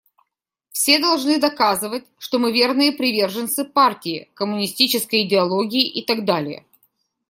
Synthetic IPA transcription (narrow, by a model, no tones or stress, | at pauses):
fsʲe̞d̪ɐlˠʐnɨd̪ɐkazɨvətʲʂt̪o̞mɨvʲe̞rnɨjəpɾʲɪvʲe̞rʐɨnt̪sɨpartʲɪɪ̰kəmʊnʲɪsʲtʲit͡ɕɪskəjɪdʲɪɐlˠoɡʲɪɪʔɪt̪ɐɡd̪alʲɪ̰jə̰